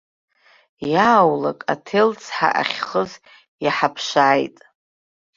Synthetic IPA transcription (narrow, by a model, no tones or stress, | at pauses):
jaːwlakʼa̰tʰelt͡sʰħa̰ʔa̰χʲχəz | jaħapʰʂaːjtʼ